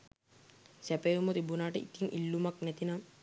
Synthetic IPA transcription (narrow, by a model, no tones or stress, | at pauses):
sæpejumut̪ibunaːʈəʔit̪iŋʔilːumaknɛt̪inam